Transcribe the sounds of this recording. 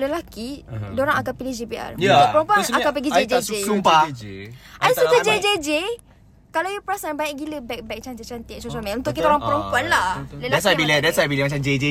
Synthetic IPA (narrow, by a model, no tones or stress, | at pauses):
ləlakidoɾaŋakanpilihd͡ʒepiʔa̰rʊʔpəɾɔmpuanakapəɡid͡ʒed͡ʒeesumpa | ʔadasusad͡ʒed͡ʒed͡ʒe | kalawjupɾasanbaɲɛʔɡiləbɛk̚bɛk̚t͡ʃant̪it͡ʃant̪isosamɛunt̪ʊʔkit̪aoɾaŋpəɾəmpuanlahləldasabilidɛsabiləmat͡ʃamd͡ʒed͡ʒe